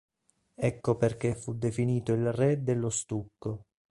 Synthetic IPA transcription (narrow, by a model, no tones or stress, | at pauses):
ɛkːoperk̟efːud̪ːefiniːt̪oilrɛd̪elːost̪ukːo